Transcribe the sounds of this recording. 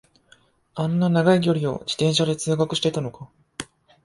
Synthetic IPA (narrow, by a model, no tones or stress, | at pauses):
ãnːanaɡaiɡʲo̞ɾʲio̞̰d͡ʑi̥t̪ẽɰ̃ɕad̪e̞t͡sɨːɡakɯ̟ɕi̥t̪et̪ano̞ka